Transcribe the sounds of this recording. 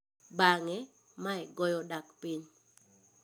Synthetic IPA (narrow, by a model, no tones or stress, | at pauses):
baŋɛ | maɛɡɔjɔdakpiɲ